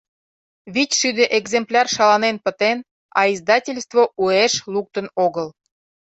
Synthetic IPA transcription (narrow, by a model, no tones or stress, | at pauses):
βitʲʃyd̪ĕʔeɡzemplʲɑrʃɑlɑnenpə̆t̪en | ɑ̰izd̪ɑtʲelʲst̪voʔueʃluk̚t̪ə̆noɣəl